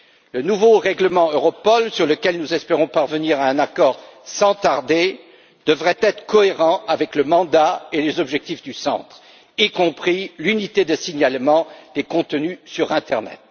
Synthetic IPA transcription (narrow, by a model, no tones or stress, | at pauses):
lənuvoʁɛɡləmɑ̃øʁɔpɔlsyʁləkʲɛlnuzɛspeʁɔ̃paʁvəniʁaɛ̃nakɔʁsɑ̃t̪aʁd̪e | d̪̥əvʁɛt̪ɛt̪χə̥kɔeʁɑ̃ʔavɛkləmɑ̃d̪aelezɔbʒɛk̚t̪ifd̪ysɑ̰̃t̪χ | ikɔ̃pχilynit̪ed̪əsiɲalmɑ̃d̪̥ekɔ̃t̪ənysyʁɛ̃t̪ɛʁnɛ̰t̪